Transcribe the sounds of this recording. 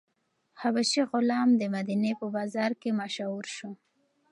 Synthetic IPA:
habaʃiɣʊlɑmd̪əmad̪inepəbɑzɑɾkemaʃauɾʃo

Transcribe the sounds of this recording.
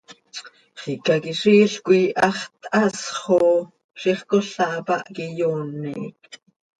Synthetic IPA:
χikakiʂiːɬkʷiʔɑχt̪ʔɑsχo | ʃiχkoɬɑʔpɑʔkijoːnːik

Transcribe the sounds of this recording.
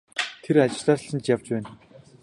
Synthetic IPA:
t̪ʰeɾat͡ɕɪ̆ɮɮaːr̆ɬə̆nt͡ɕjawt͡ɕpæːn

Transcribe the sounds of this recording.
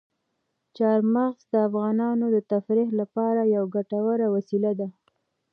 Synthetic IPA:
t͡ʃɑɾmaɣzd̪əafɣɑnɑnod̪ət̪afɾiɦlapɑɾajawɡaʈawaɾawasilad̪a

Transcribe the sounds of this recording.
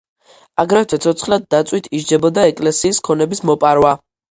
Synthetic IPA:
aɡɾavɛt̪ʰɛt̪sʰɔt̪sʰχlad̪̚ːat̪sʼwit̪ʰiʒd͡ʒɛbɔd̪aɛkʼlɛsiːskʰɔnɛbismɔpʼaɾwa

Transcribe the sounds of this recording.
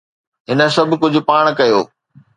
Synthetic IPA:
ɦɪnə̆sɐbʱkʊd͡ʑʱʊpaːɽ̃kɐjoː

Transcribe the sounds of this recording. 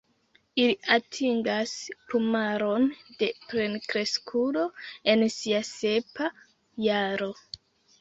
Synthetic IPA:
iliatʰiŋɡaspumaɾo̞nd̥e̞pɾe̞nkɾe̞skʰulo̞e̞nsiase̞pa | jaɾo̞

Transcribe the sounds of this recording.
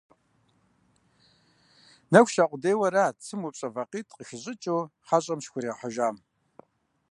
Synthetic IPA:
nɐkʷʃaqʷʼʊdeːwɐɾaːt͡sʰɨmupɕʼɐvɐqiːtʼqəxɪɕʼɪt͡ʃʼowħaɕʼɐmʃxʷʊɾeːħəʒaːm

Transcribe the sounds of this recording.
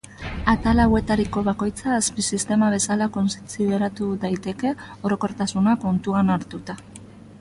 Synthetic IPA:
at̪alawe̞t̪aɾiko̞βako̞jt͡saːspisist̪e̞maβ̞e̞salako̞nst͡siðe̞ɾat̪uðajt̪e̞ke̞o̞ɾo̞ko̞ɾt̪asunako̞nt̪uanaɾt̪ut̪a

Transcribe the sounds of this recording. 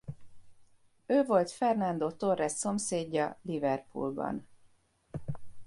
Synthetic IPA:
øːvo̞lt̪fɛrnɒnd̪oːt̪o̞rːɛssːo̞mseːɟːɒlivɛrpṵlbɒ̰n

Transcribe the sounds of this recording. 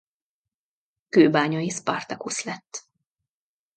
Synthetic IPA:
køːbaːɲɒjispɒ̰rt̪ɒkuslɛt̪ː

